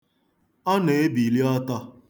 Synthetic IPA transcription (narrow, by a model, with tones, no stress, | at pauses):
ɔ˦ne˨e˦bi˨li˦ɔ˦tɔ˦